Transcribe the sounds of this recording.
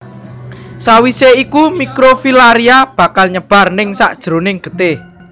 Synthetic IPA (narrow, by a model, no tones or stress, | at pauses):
sawiseikumikɾofilaɾiab̥a̤kalɲəb̥a̤rnɪŋsa̰ʔd̥ʒ̥ɾo̤nɪŋɡ̥ə̤t̪e